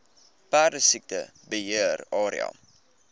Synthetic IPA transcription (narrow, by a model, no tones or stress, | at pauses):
pæːrdəsik̚tə̰ | bəɦiərɑːɾḭɑ̰